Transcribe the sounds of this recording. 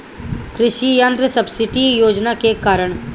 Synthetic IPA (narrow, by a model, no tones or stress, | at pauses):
kɾɪʃijənd̪ɾəsɐbsɪʈijoːd͡ʒnakekaːɾəɽ̃